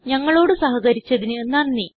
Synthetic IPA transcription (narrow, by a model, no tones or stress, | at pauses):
ɲɐŋːɐɭo̞ːɽɨsɐɦɐɣɐɾit͡ɕːɐðinɨnɐnːi